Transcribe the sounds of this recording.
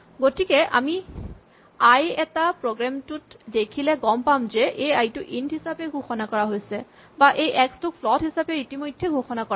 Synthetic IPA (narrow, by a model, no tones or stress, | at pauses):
ɡotikɛʔa̰mi | ajɛtapɹoɡɹamtutdekʰilɛɡɔmpamzeʔejajtuʔindɦisapeɡʱoxɔnakɔɹaɦojsɛ | baʔejʔɛkstukfʰlɔtɦisapeitimojdʱːeɡʱoxɔnakɔa